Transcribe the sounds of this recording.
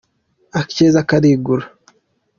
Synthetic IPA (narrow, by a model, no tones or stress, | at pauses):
akt͡ʃezakːad̪iːɡuɾ